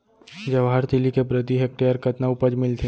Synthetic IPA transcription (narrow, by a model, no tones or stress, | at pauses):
d͡ʒɐʋaːɾt̪ɪlikebɾəd̪iɦek̚ʈejəɾkɐt̪naʊpəd͡ʒmɪlt̪ʰe